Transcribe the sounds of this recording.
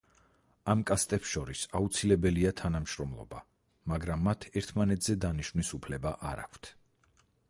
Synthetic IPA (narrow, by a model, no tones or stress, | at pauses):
amkʼast̪ʼɛpsʃɔɾisaut̪sʰilɛbɛliat̪ʰanamʃɾɔmlˠɔ̰ba̰ | maɡɾamːat̪ʰɛɾt̪ʰmanɛt̪ʰz̥ɛd̪aniʃvnisupʰlɛbaʔaɾa̰kʷʰt̪ʰ